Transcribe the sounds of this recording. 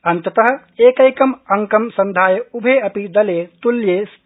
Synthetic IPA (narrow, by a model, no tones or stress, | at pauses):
ɐnt̪ɐt̪ɐɦɐ̆ | eːkɐjkɐmɐŋkɐmsɐ̃nd̪ʱaːjɐubʱeɐpid̪ɐleːt̪uljeːs